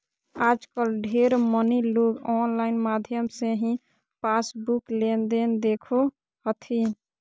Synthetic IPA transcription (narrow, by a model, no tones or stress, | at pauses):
ad͡ʒkəlɖʱeɾməniloɡɔnlaɪnmad̪ʱjəmseɦĩ | pasbuklend̪end̪ekʰo | hət̪ʰi